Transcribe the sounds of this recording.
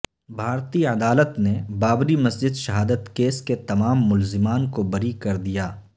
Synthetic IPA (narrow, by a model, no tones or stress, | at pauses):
bʱaːɾt̪iɐd̪aːlət̪nebaːbɾimɐsd͡ʒɪd̪ʃɐɦaːd̪ət̪keːsket̪ɐmaːmːʊlzɪmaːnkobɐɾikɐɾd̪ijaː